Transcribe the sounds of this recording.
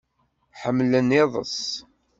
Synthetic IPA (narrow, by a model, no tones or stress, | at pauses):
ħəmːlənːɪðˤə̰s